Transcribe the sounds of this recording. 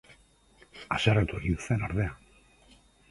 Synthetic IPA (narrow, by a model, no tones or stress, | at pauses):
asaret̪oɾiuse̞naɾðe̞a